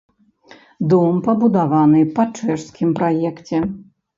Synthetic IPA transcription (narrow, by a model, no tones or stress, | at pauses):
d̪umpɐbud̪avanɨpɐt͡ʂɛʂskʲimpɾajɛkt͡sʲɛ